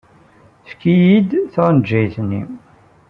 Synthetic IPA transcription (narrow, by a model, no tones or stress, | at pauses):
θkːijid̪θʁnd͡ʒːæjθnːḭ